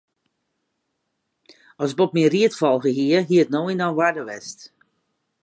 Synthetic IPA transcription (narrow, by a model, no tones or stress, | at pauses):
ɔsbɔpmiriətfɔlˠɣəɦiəɦiətnoinɔwadəʋɛst